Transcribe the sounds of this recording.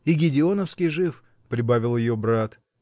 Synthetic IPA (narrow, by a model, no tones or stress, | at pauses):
iɡʲɪdʲɪo̞nəfskʲijʐɨf | pɾʲɪbavʲɪlˠjɪjobɾat̪